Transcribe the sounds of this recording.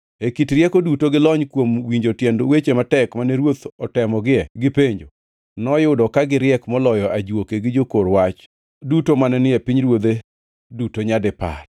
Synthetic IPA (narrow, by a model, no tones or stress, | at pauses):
ekitɾjɛkodutoɡɪlɔɲkwomwiɲd͡ʒotjɛndowet͡ʃematɛkmanɛɾwot̪ɔtɛmɔɡɪɛɡɪpeɲd͡ʒo | nɔjʊdɔkaɡɪɾɪɛkmɔlɔjɔʔad͡ʒwokeɡɪd͡ʒokoɾwat͡ʃ | dutomanɛnɪepiɲɾwod̪e | dutoɲadɪpa̰r